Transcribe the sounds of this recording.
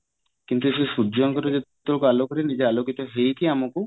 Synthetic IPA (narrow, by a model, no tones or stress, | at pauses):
kint̪uesesud͡ʒɔŋkɔɾud͡ʒet̪ukualokɔɾinid͡ʒealokit̪ɔɦejk̪iamɔku